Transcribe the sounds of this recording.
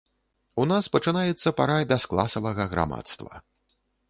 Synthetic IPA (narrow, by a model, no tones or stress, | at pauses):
unaspɐt͡ʂɨnajɛt̪sːɐpaɾabʲasklˠasɐvɐɣɐɣɾa̰ma̰t̪st̪vɐ̰